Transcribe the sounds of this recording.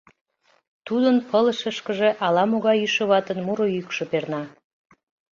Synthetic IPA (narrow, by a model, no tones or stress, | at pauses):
t̪ud̪ənpʰələʃəʃkəʒe̽ʔɑlɑmoɣɑjyʃəβɑt̪ənmuɾojykʃəpernɑ